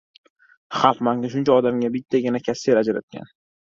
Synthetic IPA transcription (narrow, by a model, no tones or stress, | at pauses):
χɑlˠqmaŋnɪʃ̬ʊnt͡ʃʰaɒd̪amɡʲabɪt̪ʰːaɡʲanakʲʰaseɾad͡ʒaɾa̰t̪̚kʲa̰n